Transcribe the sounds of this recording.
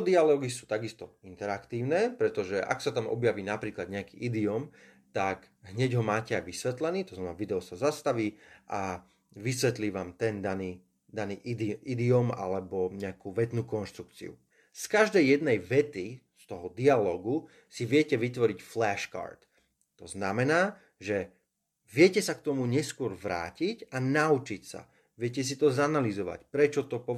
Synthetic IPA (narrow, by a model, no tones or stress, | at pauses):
d̪ialɔːɡisuːt̪aɡist̪ɔint̪ɛɾakt̪iːʊnɛːpɾɛt̪ɔʒɛʔa̰ksat̪amɔ̰bjaʋiːnapɾiːklad̪ɲɛakḭːʔid̪iɔm | t̪ak | ɦɲɛɟɦɔmaːcɛajʋisʋɛt̪lɛniːt̪ɔznamɛnaːʋid̪ɛɔsazast̪aʋiːʔa | ʋisʋɛt̪liːʋaːmt̪ɛnd̪aniː | d̪aniːʔd̪id̪iɔma̰lɛbɔɲɛakuʋɛt̪nuːkɔnʃt̪ɾuk̚t͡sḭṵ | skaʒd̪ɛjːɛd̪nɛjʋɛt̪ist̪ɔɦɔd̪ialɔːɡu | siʋɪɛcɛʋit̪ʋɔɾicflɛʃka̰ːɾt̪ː | ɔznamɛnaː | ʒɛ | ʋɪɛcɛsakt̪ɔmuɲɛskʊɔɾʋɾa̰ːcicanaut͡ʃicsa̰ | ʋɪɛcɛs̬it̪ɔzanalizɔʋa̰cpɾɛt͡ʃɔt̪ɔpɔ